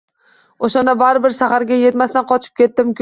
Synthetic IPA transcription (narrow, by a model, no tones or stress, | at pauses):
oʃand̪abaɾɪbɪɾʃaɦaɾɡʲaje̞t̪masnaqʰɒt͡ʃʰɪ̥p̚kʲe̞t̪ːɪmkʰʲ